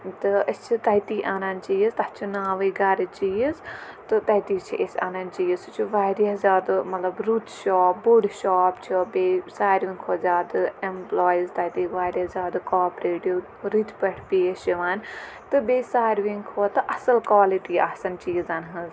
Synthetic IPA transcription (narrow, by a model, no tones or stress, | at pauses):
t̪ɨɐt͡ʃʰit̪ɐit̪iːʔaːnaːnt͡ʃiːzt̪ɐt͡ʃʰunaːʋəɡɐɾt͡ʃiːzt̪ɨt̪ɐit̪iːt͡ʃʰiʔesa̰ːnant͡ʃiːzt͡ʃʰuʋaːɾiɐzʲaːd̪mɐt̪lɐbɾuːt̪ʃɔːp̚buɖʃaːpt͡ʃʰibeːsaːɾʋiŋkʰoːzʲaːd̪ɨemplɔːjizt̪ɐit̪iʋaːɾɐzʲaːd̪kaːpɾeːʈu | ɾit̪pəʈʰpiːət͡ʃiʋaːn | t̪ɨbeːsaːɾʋiŋkʰoːt̪ɨʔɐsɐlkwaːliʈiːasɐnt͡ʃiːzanɦɐz